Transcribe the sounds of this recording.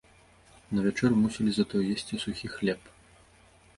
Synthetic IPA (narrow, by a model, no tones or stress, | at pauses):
nɐvʲat͡ʂɛrmusʲɛlʲizɐt̪ɔjjɛsʲt͡sʲisuxʲixlʲɛp